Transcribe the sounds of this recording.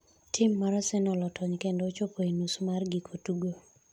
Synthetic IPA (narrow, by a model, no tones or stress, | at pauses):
tʰɪmːaɾɔsɪnɔlɔtʰɔɲkendot͡ʃopʰoinusmarɡɪkʰotuɡo